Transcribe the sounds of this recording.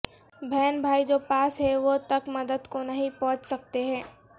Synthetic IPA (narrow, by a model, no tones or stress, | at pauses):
bʱɛːnbʱaːid͡ʒoːpaːsɦɛʋot̪ɐkmɐd̪əd̪konɐɦĩpɔ̃ɦt͡ʃsɐk̚t̪eɦɛ̃ː